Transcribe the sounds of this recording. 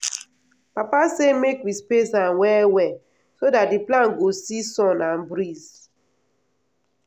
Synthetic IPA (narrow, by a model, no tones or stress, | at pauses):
papasemekwispesãnwɛwɛ | sodat̚diplãnɡosisɔ̃nãnbɾiz